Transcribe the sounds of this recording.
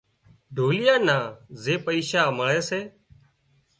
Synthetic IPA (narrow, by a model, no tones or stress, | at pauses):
ɖʱoːlɪjãːnaːzeːpəiːʃaːməɭeːseː